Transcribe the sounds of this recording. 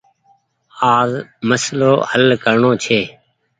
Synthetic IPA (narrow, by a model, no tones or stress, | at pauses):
aːzməsloːhəlkəɾɳoːt͡ʃʰeː